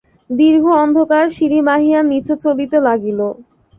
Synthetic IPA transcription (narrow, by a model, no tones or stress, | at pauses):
d̪iɾbʱoɔnd̪ʱokaɾʃiɾimaɦianit͡ɕʰet͡ɕolit̪elaɡilo